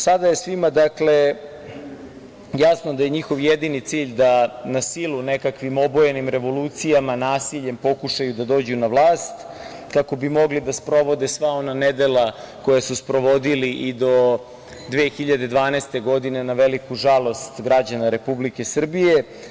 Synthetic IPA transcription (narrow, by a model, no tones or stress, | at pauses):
sad̪ajesʋimad̪akle̞ | jasno̞d̪aje̞ɲixo̞ʋjed̪init̪siːʎd̪anasilune̞kakʋimo̞bojenimɾe̞ʋo̞luːt̪sijamanaːsiʎe̞mpo̞kuʃajud̪ad̪o̞ːd͡ʑunaʋlˠaːst̪ | kako̞bimo̞ɡlid̪aspɾo̞ʋo̞d̪esʋao̞naned̪elako̞jasuspɾo̞ʋo̞d̪iliʔid̪o̞ | d̪ʋexiʎad̪e̞d̪ʋaːneːst̪e̞ɡo̞d̪ine̞naʋelikuʒalˠo̞st̪ɡɾad͡ʑanaɾe̞publike̞sr̩bije